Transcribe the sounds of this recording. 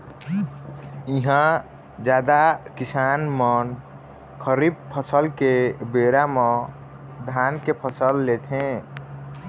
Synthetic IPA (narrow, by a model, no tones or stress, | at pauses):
iɦã | d͡ʒad̪akisanmən | kʰəɾib̚pʰəsəlkebeɾamɔ̃ | d̪ʱankepʰəsəlːet̪ʰɦẽ